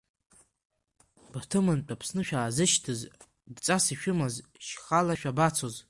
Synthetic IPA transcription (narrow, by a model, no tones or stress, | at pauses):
btʰɨmant͡pʼapʰsnɨʃᶣaːzɨʃtʰɨz | dt͡sʼasiʃᶣʊmazʃχalaʃᶣabat͡sʰo̞z